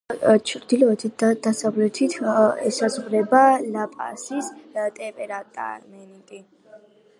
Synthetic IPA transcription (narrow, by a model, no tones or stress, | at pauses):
t͡ʃʰɾd̪ilɔɛt̪ʰit̪̚d̪̥asavlɛt̪ʰit̪ʰɛsazʁɾɛbalapʼa̰sist̪ʼɛpʼɛɾat̪ʼa̰ɾmɛnikʼi